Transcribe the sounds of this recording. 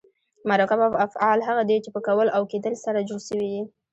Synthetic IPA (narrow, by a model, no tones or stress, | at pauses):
maɾɑkabaafɑlɦaɣad̪et͡ʃepəkawəlʔawked̪əlsaɾad͡ʒoɽʃəwid̪i